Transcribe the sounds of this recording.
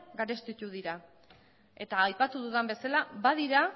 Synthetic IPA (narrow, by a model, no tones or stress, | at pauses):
ɡaɾe̞st̪it̪uð̞iɾa | e̞t̪aːjpat̪uðuðambe̞salaβað̞iɾa